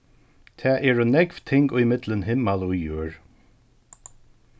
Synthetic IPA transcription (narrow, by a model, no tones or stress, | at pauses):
t̪ʰɛːʔɛːɹɔnɛɡvt̪ʰɪŋɡʊjmɪd̪lənɦɪmːalujuːɹ